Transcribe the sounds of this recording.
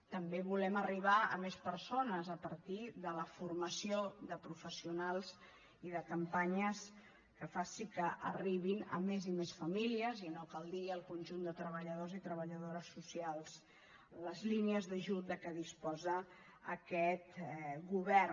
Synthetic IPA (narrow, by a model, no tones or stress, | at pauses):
t̪əmbeβulɛməriβ̞aə̰mespəɾsonəzəpəɾt̪iðələfuɾməsioðəpɾufəsiunalˠz | iðəkəmpaɲəs | kəfasikəʔə̰riβinə̰mezimesfəmiliəzinokalˠd̪iəlˠkunʲʒund̪ət̪ɾəβəʎəðozit̪ɾəβəʎəðoɾəsːusialˠs | ləzliniəzðəʒut̪̚d̪əkəðispɔzə | əkɛt̪ɡuβɛr